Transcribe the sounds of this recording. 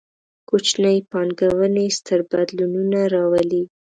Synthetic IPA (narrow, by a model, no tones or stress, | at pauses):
kot͡ʃnəjpɑnɡawənest̪əɾbad̪lununaɾɑwəli